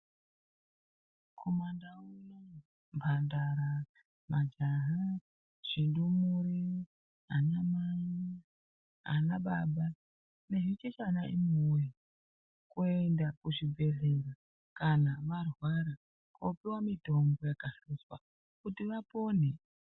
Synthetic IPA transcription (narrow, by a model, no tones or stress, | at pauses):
kʰomandauna | mbʱandaɾa | mad͡ʒaɦa | ʐ̥indumuɾi | ɦanama | ɦa̰naɓaɓa | ne̞ʐit͡ʃet͡ʃanaimuja | kuendakuʐibʱe̞ɮera | kanamarwaɾa | kopiwamito̞mbojakasuswa̰ | kutiʋapo̞ːne